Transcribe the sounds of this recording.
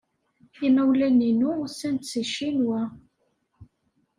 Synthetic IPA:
inæwlæninusænt̪siʃinwæ

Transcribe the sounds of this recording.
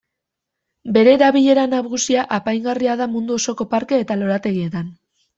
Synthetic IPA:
be̞ɾe̞ːɾaβiʎe̞ɾanaβɣusiaʔapajŋɡariaðamund̪uo̞so̞ko̞paɾke̞ːt̪alo̞ɾat̪e̞ɣie̞t̪an

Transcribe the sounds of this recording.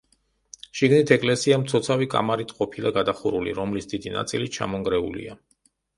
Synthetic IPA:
ʃiɡnit̪ʰɛkʼlɛsiamt̪sʰɔt̪sʰavikʼa̰maɾit̪ʰqʼɔpʰilaɡad̪aχuɾulḭɾɔmlisd̪̥id̪ina̰t̪sʼilit͡ʃʰa̰mɔŋɡɾɛṵlḭa

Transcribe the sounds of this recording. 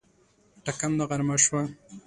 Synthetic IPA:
ʈakamd̪aɣaɾmaʃwa

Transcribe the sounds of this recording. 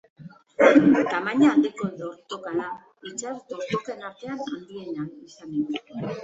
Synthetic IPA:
t̪amaɲaːnd̪iko̞ʎo̞ɾt̪okaɾa | it͡ʃazt̪oɾt̪okenaɾt̪e̞anand̪ie̞nanisanen

